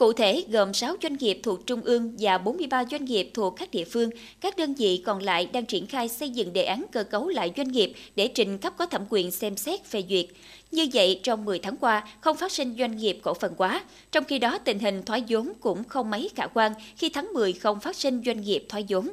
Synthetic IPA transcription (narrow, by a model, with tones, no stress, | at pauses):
kṵ˧˨t̪ʰe˧˩ɣə˨˩msaː˨˦wzwa˧jŋ̟ŋi˨˩əp̚t̪ʰu˨˩ək̚t͡ɕʊ˧ŋ͡mʔɨ˧əŋvaː˨˩ɓo˨˦nmɨ˧əjɓaː˧zwa˧jŋ̟ŋi˨˩əp̚t̪ʰu˨˩əkːaː˦˥k̚ɗḭ˧˨əfɨ˧əŋ | kaː˦˥k̚ɗəː˧nvḭ˧˨kɔ˨˩nla̰ː˧˨jɗaː˧ŋt͡ɕi˧˩ənxaː˧jsə˧jzɨ̰˧˨ŋɗḛ˧˨ʔaː˨˦nkəː˧kə˨˦wla̰ː˧˨jzwa˧jŋ̟ŋi˨˩əp̚ɗe˧˩t͡ɕï˨˩ŋ̟kə˦˥p̚kɔ˨˦t̪ʰə˧˩mkwi˧˩ənsɛ˧msɛ˦˥t̚ve˨˩zwi˨˩ət̚ | ɲɨ˧və̰˧˨jt͡ɕɔ˧wŋ͡mmɨ˨˩jt̪ʰaː˨˦ŋkwaː˧xə˧wŋ͡mfaː˦˥t̚si˧ŋ̟zwa˧jŋ̟ŋi˨˩əp̚ko̰˧˩fə˨˩nkwaː˨˦ | t͡ɕɔ˧wŋ͡mxi˧ɗɔ˨˦t̪ï˨˩ŋ̟ɦï˨˩ŋ̟t̪ʰwaː˨˦jzo˨˦mkʊ̰˧˥ŋ͡mxə˧wŋ͡mmə˨˦jxaː˧˩kwaː˧nxi˧t̪ʰaː˨˦ŋmɨ˨˩əjxə˧wŋ͡mfaː˦˥t̚si˧ŋ̟zwa˧jŋ̟ŋi˨˩əp̚t̪ʰwaː˨˦jzo˨˦m